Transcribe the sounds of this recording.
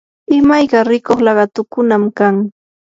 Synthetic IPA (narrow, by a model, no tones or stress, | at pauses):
ɪmajɢɑɾɪkoχlɑɢɑt̪ʊkʊnamkaŋ